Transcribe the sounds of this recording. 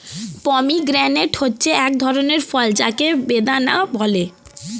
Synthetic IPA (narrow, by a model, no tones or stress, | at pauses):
pɔmiɡɾɛneʈhotːɕʰeɛk̚d̪ʱɔɾoneɾfɔld͡ʑakebed̪anabʱɔle